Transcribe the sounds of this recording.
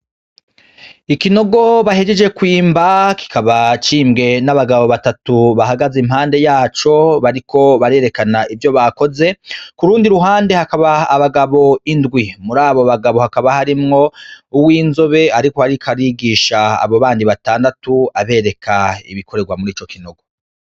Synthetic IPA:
ikino̞ɡo̞βahe̞d͡ʒe̞d͡ʒe̞kwiːmbaki̥kʰaβat͡ʃiːmɡe̞naβaɡaβo̞βatatuβaɦaɡazim̥haːnde̞jaːt͡ʃo̞βaɾikʰo̞βaɾe̞ːɾe̞kanaʔivjo̞βako̞ze̞kuɾuːndiɾuɦaːnde̞hakaβaːβaɡaβo̞indɡwimuɾaːβoβaɡaβo̞hakaβahaɾimŋo̞uwiːnzoβe̞aɾiko̞haɾikʰaɾiɡiːʃa̰ːβoβaːndiβataːndatuaβe̞ːɾe̞kʰaḭβikʰo̞ɾeɡwamuɾiːt͡ʃo̞kino̞ɡo̞

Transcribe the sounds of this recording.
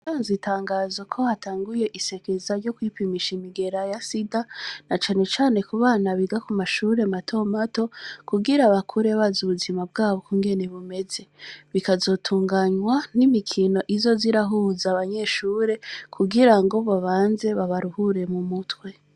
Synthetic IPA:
aːnzitʰaːŋɡazo̞kʰo̞hatʰaːŋɡuje̞ʔise̞kezaɾɟo̞kwipimiʃimiɡe̞ɾajasidanat͡ʃaːne̞t͡ʃaːne̞kuβaːnaβiɡakumaʃuːɾe̞matʰo̞mato̞kuɡiɾaβakʰuɾe̞βazuβuzimab̚ɡaːβo̞kuːŋɡe̞ne̞βume̞ze̞βikazo̞tʰuːŋɡaɲwanimikʰino̞ʔizo̞ziɾaɦuːzaβaɲe̞ʃuːɾe̞kʰuɡiɾaŋɡo̞βaβaːnze̞βaβaɾuhuɾe̞mumutwe̞

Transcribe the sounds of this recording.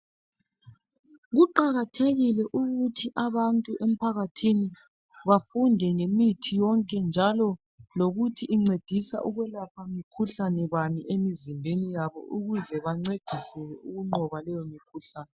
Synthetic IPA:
ɣuǃaɣatʰeɣilɛʔuɣutʰiʔaβantʼuʔem̩pʰaɣatʰini | βafundʱɛŋemitʰijɔŋkʼɛnd͡ʒʱalɔ | loɣutʰiʔːŋ͡ǀed̥ʱisa̰ʔuɣwɛlapʰamikʰuɬanɛβamiʔemizimbʱenijaβɔ̰ʔuɣuzɛβaŋ͡ǀed̥ʱisɛɛuɣuŋ͡ǃɔβalɛjɔmikʰuɬaːnɛ

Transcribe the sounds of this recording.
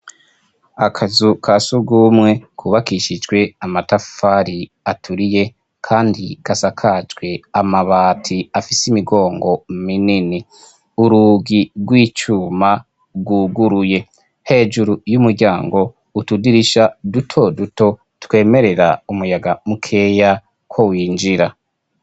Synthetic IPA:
akʰazukʰasuɡuːmŋe̞kʰuβakiʃid͡ʒɡwe̞amatafaɾi | atʰuɾije̞ | kʰaːndikasakʰad͡ʒɡwe̞amaβaːtʰiafisimiɡo̞ːŋɡo̞minini | uɾuɡiɾɡwiːt͡ʃuma | ɡuɡuɾuje̞ | he̞ːd͡ʒuɾujumuɾɟaːŋɡo̞ | utudiɾiʃadutʰo̞duto̞ | tkwe̞ːme̞ɾe̞ɾa̰umujaɡamukʰe̞ja | kwo̞wiːnd͡ʒiɾa

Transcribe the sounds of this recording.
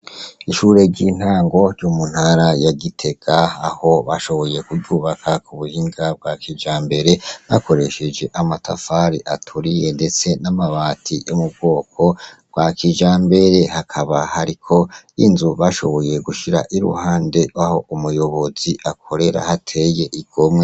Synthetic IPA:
iʃuːɾe̞ɟin̥haːŋɡo̞ɾjɟomun̥haɾajaɡitʰe̞ɡ̥aaho̞βaʃo̞βo̞je̞kuɟuːβakʰakuβuhiŋɡab̚ɡwakid͡ʒaːmbe̞ɾe̞βa̰ko̞ɾe̞ʃe̞d͡ʒe̞ʔamatʰa̰faɾiʔatʰuɾijende̞t͡se̞namaβaːtʰijomub̚ɡo̞ːkʰo̞ɡ̥wakid͡ʒaːmbe̞ɾe̞hakʰaβahaɾikʰo̞ḭnzuβaʃo̞̰βo̞je̞ɡuʃiɾa̰ʔiɾṵhaːnde̞waho̞ʔumujo̞βo̞ziʔakʰo̞ɾe̞ɾa̰hatʰeje̞ʔiɡ̥omŋe

